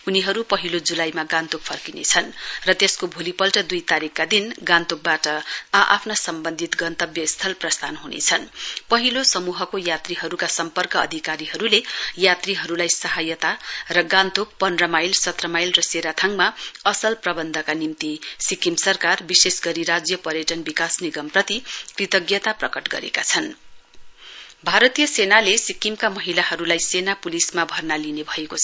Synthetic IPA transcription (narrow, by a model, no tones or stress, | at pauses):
uniɦʌɾupʌɦilod͡zulajmaɡãnt̪ok̚pʰʌrkinḛt͡sʰʌnrʌt̪eskobʱulipʌlʈʌd̪ujt̪aɾikːad̪inɡãnt̪uk̚baʈʌaʔa̰pʰnasʌmbʌnd̪ʱit̪ɡʌnt̪ʌbjʌist̪ʰʌlprʌst̪ʰanɦunḛt͡sʰʌnpʌɦilosʌmuɦʌkojat̪riɦʌɾukasʌmpʌrkʌʌ̰d̪ʱikaɾiɦʌɾulejat̪riɦʌɾulajsʌɦajʌt̪arʌɡãnt̪okpʌnrʌmajlsʌt̪rʌmajlrʌseɾat̪ʰaŋmaʌsʌlprʌbʌnd̪ʱʌkanimt̪isikimsʌrkarbisesɡʌɾiɾad͡zjʌpʌɾjʌʈʌnbikasniɡʌmprʌt̪ikrit̪ʌɡjʌt̪aprʌkʌʈɡʌ̰ɾḛkat͡sʰʌn | bʱaɾʌt̪ijʌsenalesikimkamʌɦilaɦʌɾulajsenapulismabʱʌrnalinebʱʌekot͡sʰʌ